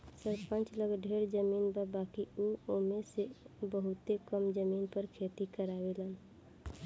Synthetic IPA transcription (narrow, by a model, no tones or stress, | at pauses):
səɾpə̃nt͡ʃləɡɖʱeɾd͡ʒəminbəbakiuomesebəɦʊt̪ekəmd͡ʒəminpəɾkʰet̪ikəɾabelən